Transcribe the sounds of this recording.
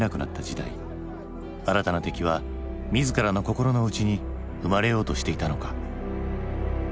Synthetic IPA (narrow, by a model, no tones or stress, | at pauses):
nakɯ̟na̰t̪ːad͡ʑid̪a̰ḭ | aɾat̪anat̪e̞kʲiβ̞a | mʲizɨkaɾano̞ko̞ko̞ɾo̞no̞ɯ̟t͡ɕiɲ̟i | ɯ̟maɾe̞jo̞ːt̪o̞ɕi̥t̪e̞it̪ano̞kḁ